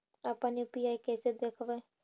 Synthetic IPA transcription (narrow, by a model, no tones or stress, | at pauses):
aːpãːnũpiːaːikɛːsed̪eːkʰʋẽː